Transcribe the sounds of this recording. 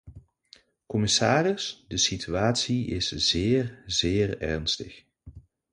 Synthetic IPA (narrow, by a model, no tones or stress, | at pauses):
kɔmɪsaːrɪsdəsityaːtsiɪsz̥ɪːrzɪːrɛ̰ɹnstəx